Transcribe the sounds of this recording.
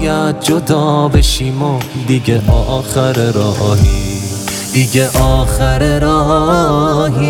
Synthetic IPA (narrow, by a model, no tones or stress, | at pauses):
jæt̪̚d͡ʒod̪ɒːbeʃiːmod̪iɟeʔɔːʔːxeɾeɾɔːʔːɦi | d̪iɟeʔɔːxeɾeɾɔː | ɦi